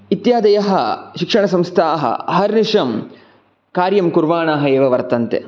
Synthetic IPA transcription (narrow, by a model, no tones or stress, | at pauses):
it̪jaːd̪ɐjɐɦɐ̰̆ʃikʂɐɳɐsɐmst̪ʰaːɦɐ̰ɐɦɐɾniʂɐm | kaːɾjɐmkuɾʋaːɳaːɦɐeːʋɐʋɐɾt̪ɐnt̪ḛ